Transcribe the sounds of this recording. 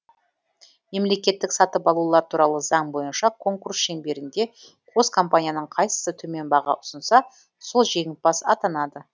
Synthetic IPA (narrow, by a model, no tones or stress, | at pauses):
me̞mle̞kʲe̞t̪ːɪksɑt̪əpɑlˠulˠɑɾt̪ʰuɾɑlˠəzɑɴbo̞jənʃɑkʰo̞ŋkursʃe̞ŋbe̞ɾɪnd̪e̞ | qʰozkʰo̞mpanʲijanəɴqʰɑjsə̥sət̪ʰɵme̞nbɑʁɑ̰ʔʊsənsɑ | solˠʒe̞ŋʲɪt̪̚bɑsɑt̪ɑnɑd̪ə